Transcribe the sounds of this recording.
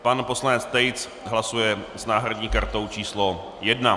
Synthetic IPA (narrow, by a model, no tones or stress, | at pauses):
panpo̞slanɛt͡st̪ɛjt͡s | ɦlasujɛsnaːɦɾadɲiːkaɾt̪o̞wt͡ʃiːslo | jɛdna